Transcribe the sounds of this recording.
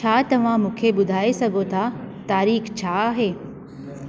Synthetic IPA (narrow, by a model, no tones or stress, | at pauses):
t͡ɕʰaːt̪ɐʋ̤ãmũːkʰeɓʊd̪ʱaːesɐɡʱot̪ʰat̪aːɾiːxt͡ɕʰaːɦeː